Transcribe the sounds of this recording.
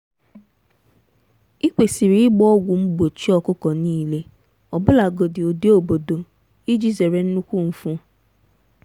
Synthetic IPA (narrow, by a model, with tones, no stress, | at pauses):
i˦kʷe˨si˨ɾi˨˦ɪ˦ɡ͡bɔ˦ɔ˦ɡʷʊ˨m̩˦bo˨t͡ʃi˦ɔ˦kʊ˦kɔ˨niː˦le˦ | ɔ˨bʊ˦la˨ɡo˨dɪ˨o˨di˦o˦˨bo˨do˨ | i˦d͡ʒi˨ze˨ɾe˨n̩˦nu˦kʷu˦˨m̩˨fʊ̃˦